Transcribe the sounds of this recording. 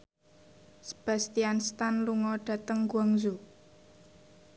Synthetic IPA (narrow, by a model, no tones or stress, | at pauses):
sə̥b̥a̤st̪ianst̪anluŋɔɖ̥ä̤t̪əŋɡuaŋzu